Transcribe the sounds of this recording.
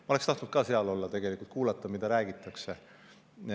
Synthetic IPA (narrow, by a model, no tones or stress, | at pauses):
mɑo̞lekst̪ɑht̪nut̪̚kɑseɑlo̞lːɑt̪e̞ɡ̥e̞likˑult̪̚kuːlɑt̪ˑːɑmid̪̥ɑɾæːɡ̥it̪ːˑɑkse̞